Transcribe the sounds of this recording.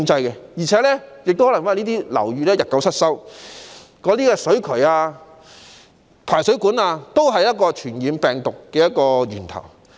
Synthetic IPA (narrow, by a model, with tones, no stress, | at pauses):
ŋt͡sɐ˧jkɛ˧jiː˨˩t͡sʰɛː˨˥lɛː˥jɪ˨k̚t̪o˥whlŋfaː˥˧niː˥t̪̬iː˥lɐ̰˨˩wjyː˧lɛː˥jɐ˨t̚kɐ˨˥wsʰɐ˥t̚sɐ˥w | kɔː˨˧˥t̪iː˥kɛː˧sɵ˨˥ɥkʰɵ˨˩jaː˧ | pʰaː˨˩jsɵ˨˥ɥkuː˨˥naː˧t̪o˥wɦɐ˨jɐ˥t̚kɔː˧t͡ʃʰyː˨˩njiː˨˧mpɛː˨ŋt̪ʊ˨kːɛː˧jɐ˥t̚kɔː˧ɥyː˨˩nt̪ʰɐ̰˨˩w